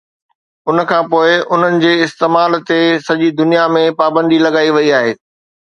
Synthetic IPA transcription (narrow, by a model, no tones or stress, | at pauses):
ʊn̆kʰãːpoːɪʔʊn̤ənɪ̆d͡ʑeːɪst̪eːmaːlt̪esɐʄid̪ʊnijamẽpaːbə̃nd̪ilɐɡaːiʋɐiaːɦeː